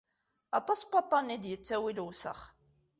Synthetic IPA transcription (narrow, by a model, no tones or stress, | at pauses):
ɑt̪ˤɑsbɑt̪ˤːɑnid̪jət͡sːæwilwsə̰χ